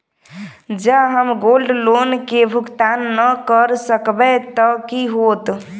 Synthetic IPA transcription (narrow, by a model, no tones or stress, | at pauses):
d͡ʒəɦəmɡolɖlonkebʱukt̪anːəkəɾsəkbɛt̪əkiɦot̪